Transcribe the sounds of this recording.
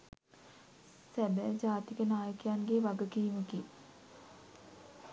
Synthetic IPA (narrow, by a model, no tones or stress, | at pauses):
sæbəd͡ʑaːt̪ikənaːjəkjanɡeʋaɡəkiːməki